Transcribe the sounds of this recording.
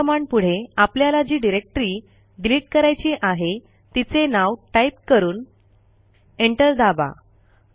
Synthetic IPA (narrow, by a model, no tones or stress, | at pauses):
əmaɳɖpuɽ̤eapljalad͡ʑiːɖiɾek̚ʈɾiː | ɖiliʈ̚kəɾajt͡ɕiːʔaɦe | t̪it͡senawʈajip̚kəɾuːn | eɳʈəld̪aba̰